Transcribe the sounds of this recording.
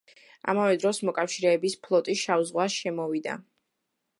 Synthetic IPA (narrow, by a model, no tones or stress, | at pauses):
a̰mavɛd̪ɾɔsmɔkʼafʃiɾɛːbispʰlˠɔt̪ʼiʃavzʁwasʃɛmɔvid̪a̰